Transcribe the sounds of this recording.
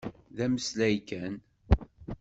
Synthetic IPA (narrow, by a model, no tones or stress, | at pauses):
ðæməslæjkæn